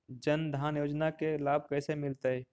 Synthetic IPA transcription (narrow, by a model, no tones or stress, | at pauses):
d͡ʒənd̪ʱaːnjoːd͡ʒnakelaːb̚ʱkɛːsemɪlt̪eɦɛː